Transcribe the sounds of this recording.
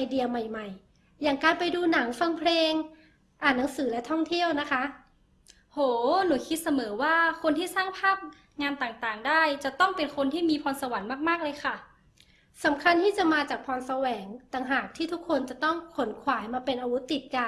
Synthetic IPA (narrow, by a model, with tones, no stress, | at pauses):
ʔa˧jdi˧əma˨˩jma˨˩j | jaː˨˩ŋkaː˧npa˧jduː˧na˩˦ŋfa˧ŋpʰleː˧ŋ | ʔaː˨˩nːa˩˦ŋsɯː˩˦lɛ˦˥t̪ʰɔ˥˩ŋt̪ʰi˥˩əwna˦˥kʰa˦˥ʔ | hoː˨˩˦nuː˩˦kʰi˦˥t̪̚sa˧mɤː˩˦waː˥˩kʰo˧nt̪ʰiː˥˩saː˥˩ŋpʰaː˥˩p̚ | ŋaː˧nt̪aː˨˩ŋt̪aː˨˩ŋdaː˥˩jt͡ɕa˨˩t̪ɔ˥˩ŋpe˧nkʰo˧nt̪ʰiː˥˩miː˧pʰɔː˧nsa˧wa˨˩˦nmaː˥˩k̚maː˥˩k̚lɤː˧jxʰa˥˩ | sa˩˦mkʰa˧nt̪ʰiː˥˩t͡ɕa˨˩maː˧t͡ɕaː˨˩k̚pʰɔː˧nsa˧wɛː˩˦ŋt̪aː˨˩ŋɦaː˨˩k̚t̪ʰiː˥˩t̪ʰu˦˥kʰːo˧nt͡ɕa˨˩t̪ɔ˥˩ŋkʰo˩˦nkʰwaː˩˦jmaː˧pe˧nʔaː˧wu˦˥t̪ːi˨˩t̪̚ka˧